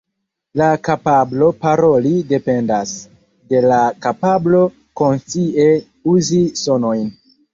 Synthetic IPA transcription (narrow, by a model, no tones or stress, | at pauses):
lakapablo̞paɾo̞lide̞pe̞ndas | de̞lakapablo̞ | ko̞nsie̞ | uziso̞no̞jn